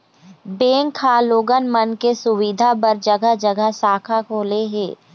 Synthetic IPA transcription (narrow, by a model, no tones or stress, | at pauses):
beːŋkʰːaːloːɡənmənkesʊwid̪ʱapəɾd͡ʒɐɡəd͡ʒɐɡəɦsaːkʰakʰoːleɦɛː